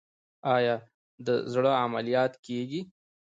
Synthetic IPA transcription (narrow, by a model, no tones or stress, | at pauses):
ɑjɑ | d̪əzɽəamalijɑt̪keɡi